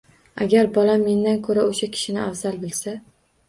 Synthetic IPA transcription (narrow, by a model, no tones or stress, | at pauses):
aɡʲaɾbɒlamːe̞nd̪ankʰɵɾaoʃakʲʰɪ̥ʃɪnɪavzalbɪlsa